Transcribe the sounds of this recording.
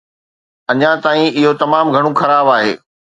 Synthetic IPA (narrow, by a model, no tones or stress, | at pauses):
ɐɲãt̪aːĩɪɦot̪ɐmaːmɡʱɐɽ̃ũxɐɾaːbaːɦḛː